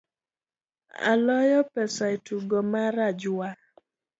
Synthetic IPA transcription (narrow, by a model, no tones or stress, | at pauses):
a̰lɔjɔpɛsaetuɡɔmaɾad͡ʒwa